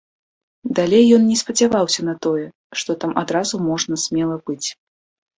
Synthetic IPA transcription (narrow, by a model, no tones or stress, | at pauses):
d̪alʲejːɔnnʲɛspɐd͡zʲavawsʲɐnɐt̪ɔjɛ | ʂt̪ɔt̪amʔad̪ɾazumɔʐnɐsʲmʲɛlˠɐbɨt͡sʲ